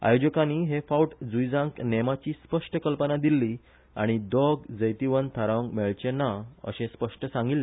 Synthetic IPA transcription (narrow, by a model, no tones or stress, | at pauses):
a̰jod͡ʑəkãniɦefauʈd͡zujd͡zãŋknemat͡ɕispəʂʈəkəlpənad̪ilːi | a̰ɽ̃id̪ɔɡd͡zəjt̪iʋənt̪ʰaɾaŋɡmɛɭt͡ɕenaə̰ɕẽspəʂʈəsãŋɡilːe